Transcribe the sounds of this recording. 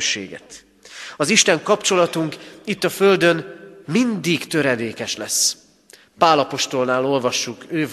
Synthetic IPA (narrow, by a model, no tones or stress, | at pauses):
ʃːḛːɡɛ̰t̪ | ɒziʃt̪ɛŋkɒpt͡ʃo̞lɒt̪uŋkit̪ːɒfø̞ld̪ønmind̪iɡt̪øɾɛd̪eːkɛʃlɛsː | paːlɒpo̞ʃt̪o̞lnaːlo̞lvɒʃːukøːv